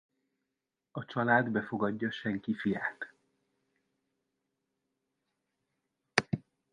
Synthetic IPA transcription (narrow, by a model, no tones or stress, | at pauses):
ɒt͡ʃɒlaːd̪bɛfoɡɒɟːɒʃɛŋkifijaːt̪